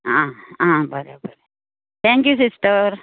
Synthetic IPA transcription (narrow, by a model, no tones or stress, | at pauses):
ããbəɾebəɾe | t̪ʰɛ̃ŋkjusisʈəɾ